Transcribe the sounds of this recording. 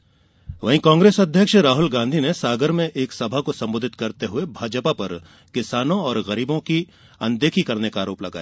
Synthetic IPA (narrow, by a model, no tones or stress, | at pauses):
ʋɐɦĩkãːŋɡɾeːsɐd̪ʱjəkʃɾaːɦʊlɡãːnd̪ʱinesaːɡəɾmẽʔeːksɐbʱakosɐ̃mboːd̪ʱɪt̪kɐɾt̪eɦʊebʱaːd͡ʒpapɐɾ | kɪsaːnõɔːɾɣɐɾiːbõki | ɐ̃nd̪eːkʰikɐɾnekaːɾoːplɐɡa̰ːjaː